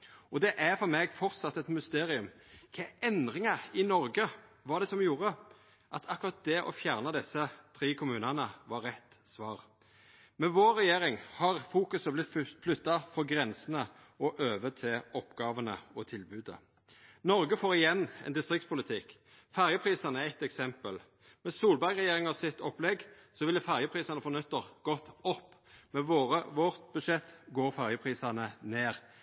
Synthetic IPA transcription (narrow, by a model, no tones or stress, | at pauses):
ʔɔd̪ɛʔæfɔɾmeɡfɔɾt̪sɑt̪ːɛt̪mʉst̪eːɾɪʉmkʰɛɛnd̪ʁɪŋɑɾɪnɔɾɡəʋɑd̪ɛsɔmjuːɾə | ʔɑt̪ʰɑkːʉɾɑt̪̚d̪ɛʔɔ̰fjæʁnəd̪ɛsət̪ʰɾiːkʰʊmʉːnɑnəʋɑɾɛt̪ː | sʋɑːʁ | mɛʋoːɾːɛjeːɾɪŋhɑʁfuːkʉsəblɪt̪flʉt̪ːɑfɔɾɡɾɛnsənə | ʔɔʔøːʋət̪ʰɪlɔpɡɑːʋənəɔt̪ʰɪlbʉːd̪ə̰ | nɔʁɡəfoːʁɪjɛnːɛ̰nd̪ɪst̪ʁɪk̚t̪spʰʊlɪt̪ʰɪk | fæʁjəpʰʁiːsɑnəæɛt̪ɛksɛmpəl | mɛsuːlbæɾɡʁɛjeːɾɪŋɑsɪt̪ɔplɛɡsɔʋɪlːəfæʁjəpʰʁiːsɑnəfɔʁnʏt̪ːəʁɡ̥ɔt̪ːɔpːmɛʋoːʁəʋɔʁt̪bʉd̪ʃɛt̪ːɡoːʁfæʁjəpʰʁiːsɑnəneːʁ